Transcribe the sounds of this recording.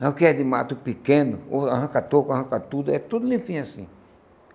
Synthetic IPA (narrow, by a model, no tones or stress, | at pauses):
ãkɛd̪imãt̪upikẽnʊoaɦãkat̪okahãkat̪ud̪ɛt̪ud̪ulĩfĩasḭ̃